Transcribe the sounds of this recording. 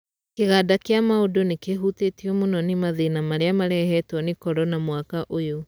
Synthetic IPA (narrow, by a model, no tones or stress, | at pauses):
keɣadakeamaodonekeɦutetiɔmonɔnemaðenamaɾeamaɾɛɦɛtwɔnekɔɾɔnamwakaʔojo